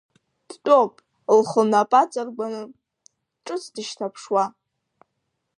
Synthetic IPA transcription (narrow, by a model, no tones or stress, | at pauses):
d̥tʼopʼ | lχəlnapʼat͡sʼarɡʷanɨ | ʈ͡ʂʼɨt͡sʰdɨʃtʰapʰʂwa